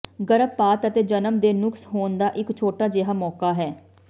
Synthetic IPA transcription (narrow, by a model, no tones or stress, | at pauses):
ɡəɾəpːaːt̪ət̪eːd͡ʒənəmd̪eːnʊksɦoːnd̪aːʔɪkt͡ʃʰoːʈaːd͡ʒeɦaːmɔːkaːɦɛː